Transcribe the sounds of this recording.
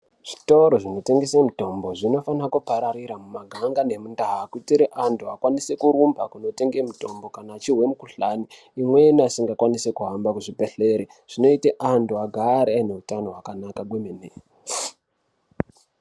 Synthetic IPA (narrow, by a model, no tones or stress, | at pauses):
ʐ̥ito̞ɾo̞ʐino̞te̞ŋɡe̞semuto̞mbo̞ʐino̞fanakupaɾaɾiɾamumaɡʱaŋɡane̞mundaɦakutiɾeʔantʰuakwanise̞kuɾumbakuno̞te̞ŋɡemuto̞mbo̞kanaːt͡ʃiɦwe̞mukuɬaniː | mwe̞niasiŋɡakwanise̞kuɦambakuʐibe̞ɬe̞ɾi | ʐ̥ino̞iteʔantuaɡʱaɾiane̞utano̞ɦwakanakakwemeneː